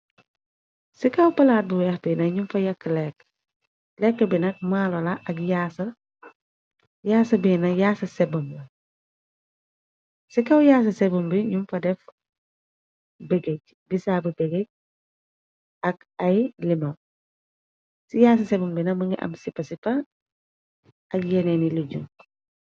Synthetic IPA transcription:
sikɐwpɐlaːt̚buwɛxbinɐɲumfɐjɐkːlɛːk | lɛkːɐbinɐk̚maːlɔlɐʔɐkjaːsɐ | jaːsɐbiːnɐjaːsɐsɛbumbɐ | sikɐwjaːs̬ɐsɛbumbiɲumfɐdɛf | beɡeɟ | bisaːbibeɡeɟ̚ | ɐk | ɐjlimo | sijaːs̬ɐsebumbinɐmɐŋɡiʔɐ̰msipɐsipɐ | ɐɡjeneniluɟuŋ

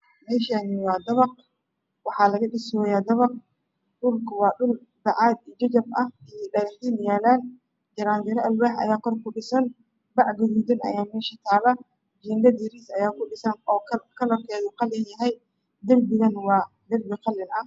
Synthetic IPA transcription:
mɛːʃanɪwɑːd̪ɐβɑq̚ | wɑħɑːlɐɣɐɗɪsɔjaːd̪ɐβɑq̚ | ɗʊlkʰɐwɑːɗʊl | bɑʕɑːd̪iːd͡ʒɐt͡ʃɐbʔɐhijɗɐɾɪħiːnjaːlaːn | d͡ʒɐɾaːnd͡ʒɐɾɐʔɐlbɛːħɐ̰jaːkʰɔrkʰʊɗɪsɐn | bɑʕɡʊɣuːd̪ɪnʔɐ̰jaːmɛːʃit̪ʰaːlɐ | d͡ʒiːndɐd̪iɾisɐjaːkʊɗɪsɐnɔːkʰɐkʰɐlɔrkʰɛːðʊqɑlɪnjɐɦɛj | d̪ɐlbɪɣɐnwɑː | d̪ɐrbɪqɑlːɪnɐ

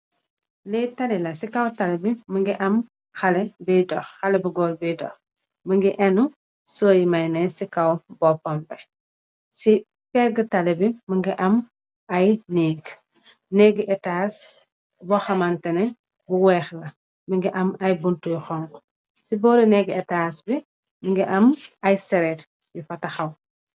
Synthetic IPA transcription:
lɛtalilɐsikɐwtalɛbiməŋɡiʔɐm | xalɛbidɔxxɐlɛbuɡɔlbidɔ̰x | məŋɡiʔɛnu | soːjimajnɛsikawbɔpɔmbɛ | si | pɛɡətalɛbiməŋɡiʔɐm | ɐjnɛːɡ | nɛɡɛtaːs | bɔxɐmɐntɛnɛ | buwɛːxlɐ | məŋɡiʔɐmɐjbuntujxɔŋk | sibɔːɾinɛɡɛtasbi | məŋɡiʔɐmɐjsɛɾɛt | jifɐtɐxɐw

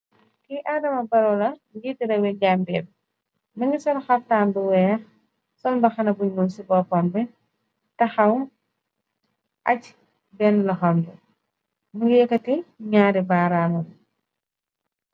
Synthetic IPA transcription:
kiʔaːdɐmɐbɐɾɔlɐɡitːidɐwɛɟambɛb̚ | mɐŋɡisɔlxɐf̚taːnbuwɛːx | sɔnbɐxɐnɐbuɲmɔnsibɔpɔmbɛ | tɐxɐw | ʔɐc | bɛnlɐxɐmdu | muɡijɛkɐtiɲaːɾibaːɾaːmɐn

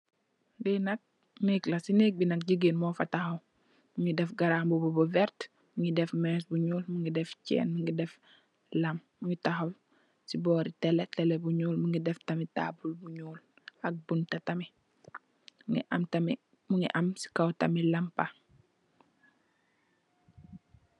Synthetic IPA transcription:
dinɐk̚ | neklɐsinek̚binɐk̚ɟiɡenmofɐtaxɐw | muŋidefɡɐɾambubobovɛɾt | miŋɡidefmɛsbuɲuːlmiŋɡidɛft͡ʃɛ̰ːnmiŋɡidɛf | lɐmːuŋɡitaxaw | sibɔːɾitɛletɛlebuɲuːlmuŋɡidɛftɐmita̰ːbulbuɲuːl | ɐk̚buntɐtɐmi | ŋḭʔamtɐmi | muŋḭʔɐmsi̥kawtɐmilɐmpa

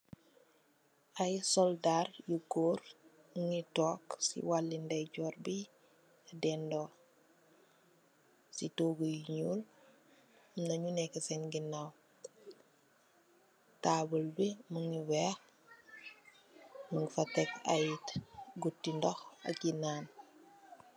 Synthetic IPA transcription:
ajsɔldaɾjuɡoːɾ | ŋitɔːksḭwalːindɛɟɔːɾbi | adɛndɔ | sitoːɡujiɲul | nɐɲunɛkesɛnɡinaw | taːbulbimuŋiwɛːx | muŋfatɛka̰jtɡutːindɔxɐ̰kːinaːn

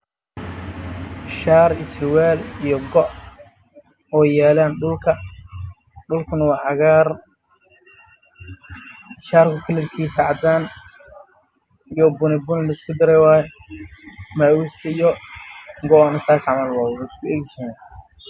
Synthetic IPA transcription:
ʃaːɾɪsɪwɛːlijɔɡɔʔ | ɔːjaːlaːnɖʊlkʰɐ | ɖʊlkʰʊnɐwɑːʕɑɣar | ʃaːrkʰʊkʰɐlɐrkʰiːsɐʕɑd̪aːn | ijɔbʊnɪbʊnɪlɐɪskʰʊd̪ɐɾɛjwaːjɛ | maːwust̪ʰɐijɔ | ŋɡɔɔnɐsaːsʕɑmɐlwaːwɪskʰʊɛɡɪsɐna

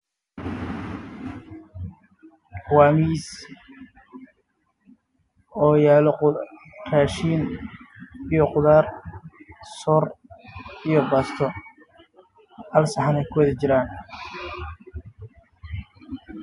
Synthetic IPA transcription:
kʰwaːmis | ɔːjaːlɔ | raːʃiːn | ijɔqʊðaːr | sɔːr | ijɔbɐst̪ʰɔ | hɐlsɐħanɛjkʰʊwɐðɪt͡ʃɪɾaːn

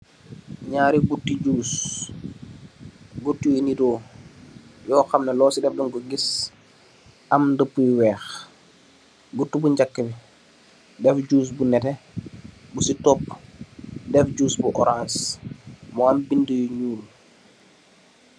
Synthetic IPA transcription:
ɲaːɾiɡutːid͡ʒuːs | ɡutːijinido | jɔːxamnalɔːsidɛfdɔŋɡuɡis | ʔamdəpːujiwɛːx | ɡutːubuɲd͡ʒakːəbi | dɛfd͡ʒuːs̬bunɛtɛ | busitɔp | dɛfd͡ʒuːsbuʔɔɾãns | mɔambindujuɲuːl

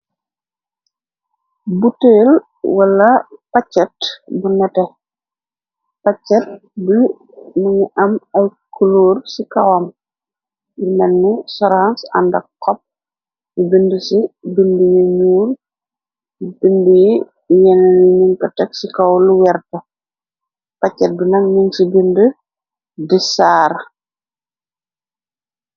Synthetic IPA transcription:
buteːl | wɐlɐpɐt͡ʃːɛtbunɛtɛ | pɐt͡ʃːɛt̚bi | nuŋuʔɐmɐjkʰuluːrsikɐwɐm | jinɛnːisɔɾansɐ̰ndɐkːɔp̚ | jibəndəsibəndəjuɲuːr | bəndəji | jɛnɛniɲuŋkɐtɛksikɐwluwɛrtɐ | pɐcːɛt̚binɐŋɲuŋsibəndə | disaːɾ

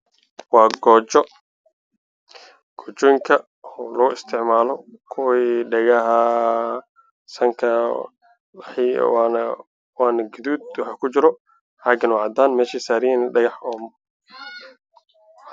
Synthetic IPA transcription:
wɑːɡɔːt͡ʃɔ | ɡ̥ɔːt͡ʃɔːjŋkʰɐ | ɔlɔɣʊɪst̪ʰɪʕmaːlɔkʰʊwiːɖɛɣɐɦɐ | sɐŋkʰɐ | ħḭwn | wɑːnɐɡɪduːd̪̚wɑħakʰʊt͡ʃɪɾɔ | ħɑɡɪnwʕɑd̪aːnmɛːʃisaːɾɪjɛnɖɐɣɑħɔːm

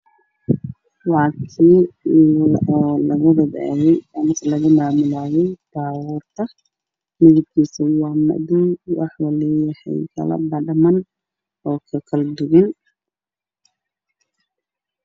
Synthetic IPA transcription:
wɑːkʰi | ʔɔːlɐɣʊbɐdɛ̰ːɣɛjaːnk̪ʰlɐɣʊmaːmʊlaːjɛjb̥ɑːɣuːrt̪ʰɐ | mɪɣʊb̚kʰiːsɐwɑːmɐ̰ðʊjwɑ̰ħwɑlɛjɐhɛ̰jkʰɐ̰lɐ̰bɐɖɐmɐn | ɔːkʰɐkʰɐld̪ʊɣɪn

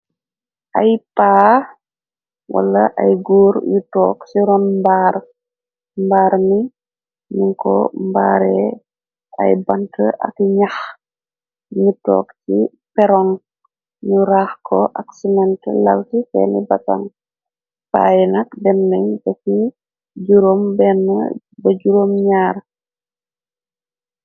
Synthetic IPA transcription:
ʔɐjpaː | wɐ̰lːɐʔɐjɡuːɾjutɔ̰ːksiɾɔnmbaːr | mbaːɾmi | nuŋkɔ̰mba̰ːɾɛ | ɐ̰jbɐntəʔɐ̰kɲax | ɲutɔ̰ːkti | pɛɾɔŋ | ɲuɾaːxkʰɔ̰ʔaksinɛntɛ̰lawtifɛːnibata̰ŋ | pa̰ːjinɐkdɛnːɛɲbɛki | d͡ʒuɾombɛnːə̰ | bəɟuɾomɲaːɾ

